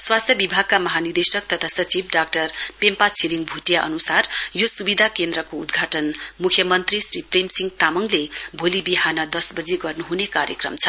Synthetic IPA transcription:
swast̪ʰjʌbibʱaɡ̚kamʌɦanird̪esʌk̚t̪ʌt̪ʰasʌt͡sibɖak̚ʈʌrpempat͡sʰiliŋbʱuʈjaʔʌ̰nusarjosubid̪ʱakend̪rʌkoud̪ɡʱaʈʌnmukʰjʌmʌnt̪risriprimsiŋɡt̪amʌŋlebʱolibiɦanʌd̪ʌsbʌd͡ziɡʌrnuɦunekaɾjʌ̰krʌ̰mt͡sʰʌ̥

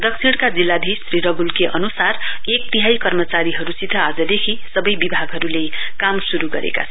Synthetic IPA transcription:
d̪ʌksʰiɽ̃kad͡zilːad̪ʱisriɾʌɡʱulkeʔʌnusarek̚t̪iɦajkʌrmʌt͡saɾiɦʌɾusit̪ʰːʌad͡zʌd̪ekʰisʌbʌjbibʱaɡɦʌɾulekamsuɾuɡʌ̰ɾḛka̰t͡sʰʌ

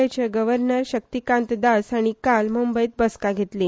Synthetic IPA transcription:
at͡ɕeɡəʋəɾnəɾɕək̚t̪ikãnt̪d̪asaɽ̃ikalmumbəjt̪̚bəskaɡʱet̪le

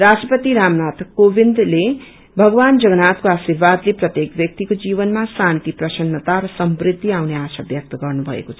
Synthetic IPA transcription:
rasʈrʌpʌt̪iɾamnat̪ʌkːobʱind̪le | bʱʌɡʌwand͡zʌɡʌnat̪koasirbad̪leprʌt̪jekbjʌk̚t̪ikod͡zibʌnmasant̪iprʌsʌnːʌt̪aɾʌsʌmbrid̪ʱːiawneasabjʌk̚t̪ʌɡʌrnubʱʌ̰ḛkot͡sʰ

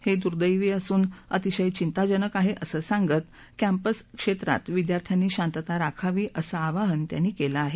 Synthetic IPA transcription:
hed̪uɾd̪əjʋiːəsuːnət̪iɕəjt͡ɕint̪ad͡ʑənəkaɦeʔəsəːsaŋɡət̪ | kæmpəskʂet̪ɾa̰t̪ʋid̪jaɾt̪ʰjanːiːɕãnt̪ət̪aɾakʰaʋiːʔəsəaʋaɦənt̪ja̰nːiːkelaːɦe

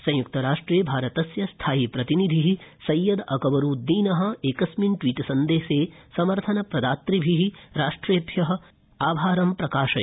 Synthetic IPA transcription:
sɐ̃j̃jukt̪ɐɾaːʂʈɾeːbʱaːɾɐt̪ɐsjɐst̪ʰaːjipɾɐt̪inid̪ʱiɦisɐjːɐd̪ɐkɐʋɐɾuːd̪iːnɐɦɐ̆eːkɐsminʈʋiːʈsɐnd̪eːʃeːsɐmɐɾt̪ʰɐnɐpɾɐd̪aːt̪ɾibʱiɦiɾaːʂʈɾeːd̪ʱjɐɦɐ̆ | aːbʱaːɾɐmpɾɐkaːʃɐ

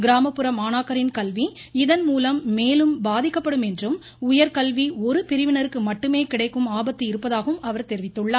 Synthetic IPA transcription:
ɡɪɾaːmɐpːɯɾɐmaːnaːkɐɾɪnkɐlʋi | ɪðɐnmuːlɐmːeːlɯmbaːðɪkːɐpːɐɽɯmɛndrɯm | ʊjɐɾkɐlʋiɔɾɯpɪɾɪʋɪnɐɾɯkːɯmɐʈːɯmeːkɪɽɐɪkːɯmaːbɐt̪ːɯɪɾɯpːɐðaːɣɐɯmɐʋɐɾt̪ɛɾɪʋɪt̪ːɯɭːaː

